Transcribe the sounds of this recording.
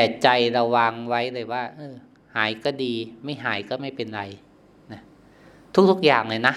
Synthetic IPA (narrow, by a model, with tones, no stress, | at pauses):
t̪ɛː˨˩t͡ɕa˧jɾa˧wa˧ŋwa˦˥jlɯ˧˩jwaː˥˩ʔɤː˧˩ | haː˩˦jkɔː˥˩diː˧ma˥˩jɦaː˩˦jkɔː˥˩ma˥˩jpe˧nɾa˧j | na˧˥˩ | t̪ʰu˦˥k̚t̪ʰu˦˥k̚jaː˨˩ŋna˧˩jna˦˥